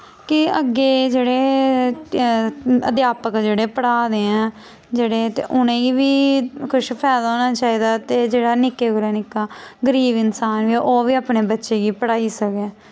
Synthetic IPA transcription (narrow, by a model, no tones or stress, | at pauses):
kɪəɡːeːd͡ʒeːɽeː | ə̰d̪jaːpəkd͡ʒeːɽeːpəɽaːd̪eːɛ̃ː | d͡ʒeːɽeːt̪ḛːʔʊnẽːɡiːʋiːkʰʊʃpʰɛːd̪aoːnaːt͡ʃaːiːd̪aːt̪eːd͡ʒeːɽaːnɪkeːɡʊɾeːnɪkːaːɡəɾiːbɪnsaːnʋiʔoːʋiːaːpneːbətːʃeːɡiːpəɽaːiːsəkeː